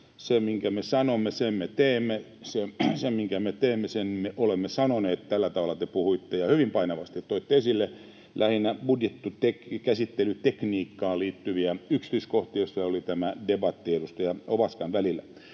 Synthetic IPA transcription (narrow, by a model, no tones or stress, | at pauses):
semiŋkæmesɑnomːesemmet̪eːmːe | sesemmiŋkæmet̪eːmːesenmeʔolemːesɑnoneːt̪t̪ælːæt̪ɑʋɑlɑt̪epuhuit̪ːejɑhyʋimpɑinɑʋɑst̪it̪t̪oit̪ːeesilːe | lʔæhinæb̥udjet̪ːut̪ekkæsit̪ːelyt̪ekniːkːɑːliːt̪ːyʋiæyksi̥t̪yiskoht̪ijosːɑolit̪æmædebɑt̪ːiedust̪ɑjɑopɑskɑnʋælilːæ̰